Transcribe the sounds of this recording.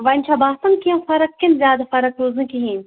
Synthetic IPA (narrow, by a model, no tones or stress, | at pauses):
ʋɐnʲt͡ʃʰabaːsɐnkiɐ̃nfɐɾɐk̚kinzʲjaːd̪afɐɾɐkɾoːzɨ̃nkiɦiːnʲ